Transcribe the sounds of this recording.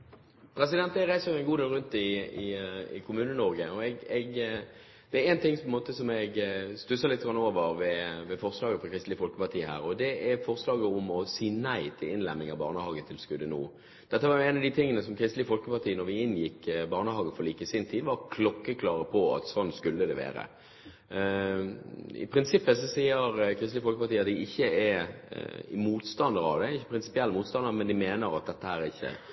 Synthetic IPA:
pʰɾɛsɪd̪ɛnt̪æʁæɪsəjʊæɪnɡuːd̪eːlʁʉnt̪̚ɪɪɪ̰kʰʊmʉːnənɔʁɡəɔɛɡɛɡ | d̪̥ɛæɾɛnt̪ɪŋːpʰɔɛnmoːt̪əsɔmɛɡst̪ʉsəʁlɪt̪̚ːɡɾɑnːoːʋəɾʋɛʋɛfɔʁslɑːɡəfɔkʰʁɪst̪lɪfɔlkəpɑʁt̪ʰiːəhæ̰ːɾɔd̪ɛʔæfɔʁslɑːɡəʊmɔsiːnæɪt̪ʰɪlɪnlɛmːɪŋɑbɑ̰ːʁnəhɑːɡət̪ʰɪlskʉd̪ːənṵː | d̪̥ɛt̪ːəʋɑɾjʊɛːnɑʋd̪it̪ʰɪŋːənəsɔmkʰɾɪst̪lɪəfɔlkəpɑt̪ʰiːənɔɾʋɪɪnjɪkːbɑːʁnəhɑːɡəfɔɾliːkəsɪnt̪ʰiːd̪ʋɑɾkʰlɔkːəkʰlɑːɾəpʰɔɑ̰t̪sɔnːskʉlːəd̪ɛʋḛːɾə̰ | ɪ̰pʰɾɪnsɪpːəsɔsiːəɾkʰɾɪst̪lɪəfɔlkəpɑɾt̪iːɑt̪̚d̪ɪɪçːəɛ | muːt̪st̪ɑnd̪əɾɑ̰ʋd̪ɛɪçːəpʰɾɪnsɪ̥pɪɛlːəmuːt̪st̪ɑnd̪əmɛnd̪ɪmeːnəɾɑt̪̚d̪ɛt̪ːəhæːɾɛɾɪçːə̰

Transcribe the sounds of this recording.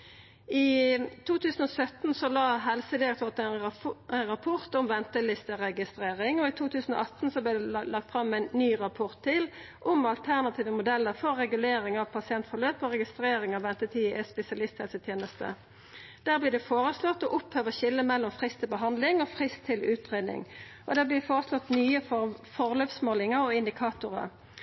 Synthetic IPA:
iːt̪ʰuːt̪ʰʉːsn̩ɔːsœt̪n̩sɔlɑːɦɛlsəd̪ɪɾɛkt̪ʰoːʁt̪ɛn | ʁɑpʰʊʁt̪ɔmʋɛnt̪əlɪst̪əʁɛɡɪst̪ʁeːʁɪŋɔɪt̪ʰuːt̪ʰʉːsn̩o̰ʔɑt̪n̩sɔblɪːd̪ɛlɑk̚t̪fɾɑmːæɪnːyːʁɑpʰʊʁt̪ʰːɪl | ʔɔmɑlt̪ʰæʁnɑt̪ʰiːʋəmʊd̪ɛlːəʁfɔʁʁɛɡʉleːɾɪŋɑʋpʰɑsɪɛnt̪fɔʁløːpɔʁɛɡɪst̪ɾeːɾɪŋɑʋɛnt̪ət̪ʰiːɛspɛsɪɑlɪst̪hɛlsət̪ʰjeːnəst̪ə̰ | d̪̥æːʁblɪːd̪ɛfoːʁəslɔt̪ːɔʔʊphøːʋəɕɪlːəmɛlːɔmfʁɪst̪ʰːɪlbəɦɑnd̪lɪŋɔːfʁɪst̪ʰːɪlʉːt̪ʁeːd̪nɪ̰ŋ | ʔɔd̪æːblɪfoːʁəslɔt̪nyːəfɔfɔʁløːpsmoːlɪŋəɾɔɪnd̪ɪkʰɑːt̪ʊʁə̰

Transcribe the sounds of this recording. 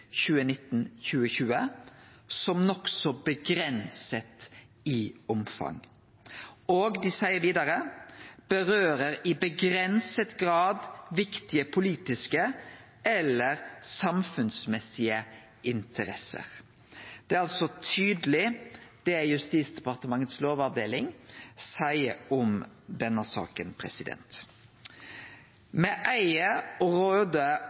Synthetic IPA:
çʉːənɪt̪ːn̩çʉːəçʉːə | sɔmnɔksɔbəɡɾɛnsət̪ | ɪʊmfɑ̰ŋ | oːɡd̪ɪsæɪəɾʋiːd̪ɑɾəb̥əɾøːɾəɾɪbəɡɾɛnsət̪ɡʁɑːd̪ʋɪkt̪ɪəpʰʊliːt̪ɪskə | ɛlːəɾsɑmfʉnsmɛsɪə | ʔɪnt̪ʰəɾɛsə̰ʁ | d̪̥ɛːɑlsɔt̪ʰyːd̪əlɪd̪̥ɛjʉst̪iːsd̪ɛpɑʁt̪əmɑŋːət̪sloːʋɑʋd̪eːlɪŋsæɪəɔm | d̪ɛnːəsɑ̰ːkənpʰɾɛ̰sɪd̪ɛ̰nt̪ | mɛːʔæɪəɔɾøːd̪ə

